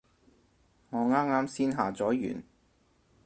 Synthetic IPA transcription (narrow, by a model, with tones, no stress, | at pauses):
ŋɔː˨˧ŋaː˥maː˥msiː˥nɦaː˨t͡sɔː˨˥jy̰ː˨˩n